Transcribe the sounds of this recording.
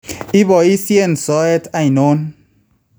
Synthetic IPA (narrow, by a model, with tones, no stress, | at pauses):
i˦bɔ˨i˦sje˦nsɔ˦ɛ˦ta˨jno˦n